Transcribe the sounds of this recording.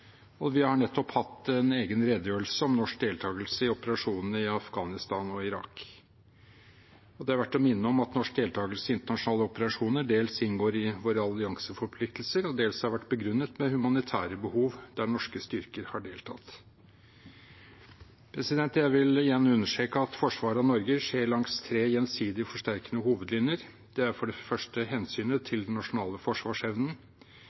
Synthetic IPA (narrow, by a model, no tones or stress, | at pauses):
ɔʋɪhɑɳɛt̪ːɔphɑt̪ːɛneːɡənɾɛd̪əjøːəl̩səɔmnɔʂk̚d̪eːlt̪ʰɑːɡəlsəɪɔpəɾɑʂuːnn̩əɪɑfɡɑːnɪst̪ɑːnɔɪɾɑ̰k | ɔd̪ɛhɑɾʋæʈːɔmɪnːəɔmɑt̪nɔʂk̚d̪eːlt̪ʰɑːɡəlsəɪnt̪əɳɑʂʊnɑːləɔpəɾɑʂuːnəɖeːlsɪnɡoːɾɪʋoːɾəɑlɪɑŋsəfɔɾpʰlɪk̚t̪l̩səɾɔd̪eːlshɑɾʋæʈːbəɡɾʉnːət̪mɛhʉmɑnɪt̪ʰæːɾəbəhuːʋd̪̥æɳɔʂkəst̪ʏɾkəɾhɑɖeːlt̪ʰɑ̰t̪ | pʰɾɛsɪd̪ɛnt̪jæɪʋɪlɪjænəʉnːəʂʈeːkəɑt̪fɔʂʋɑːɾəɑnɔɾɡəʂeːɾɭɑŋst̪ʰɾeːjɛnsiːd̪ɪfɔʂʈæɾkənəhuːʋəd̪lɪnjəɾ | d̪̥ɛæɾfɔɖɛfœʂʈəhɛnsyːnət̪ʰɪld̪ɛnːɑʂʊnɑːləfɔʂʋɑːʂɛʋnən̩